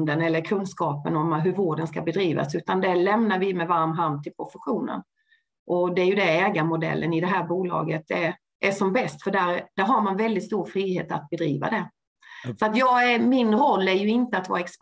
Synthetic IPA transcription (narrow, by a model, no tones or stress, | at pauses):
d̪ənɛlːəɾkʰɵnskɑːpə̰nɔmɦɵɾvoːɖənskabɛd̪ɾiːva̰sʉ̟ːt̪and̪ɛlɛmnaɾvɪmɛvaɾmɦaɾmt̪ʰːɪlpʰɾʊfəɧuːnə̰n | ʔɔd̪ɛæɾjɵd̪ɛɛːɡamʊd̪ɛ̰lːənɪd̪ɛɦæːɾbuːlɑ̰ːɡət̪æ | ʔæʂɔmbɛst̪fœɖæɾd̪æɾɦaɾmanvɛld̪ɪt̪st̪uːɾfɾiːɦeːt̪a̰t̪̚bɛd̪ɾḭːva̰d̪ɛ | sɔat̪jɑːɡæmɪnɾɔlːæɾjɵɪnt̪əat̪vɑ̰ːɾaɛks